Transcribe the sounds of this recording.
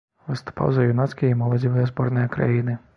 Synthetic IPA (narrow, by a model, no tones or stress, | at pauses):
vɨst̪u̥pa̰wzɐjunat̪sʲkʲijimɐlˠɐdʲivɨjɐzbɔrnɨjɐkɾa̰jinɨ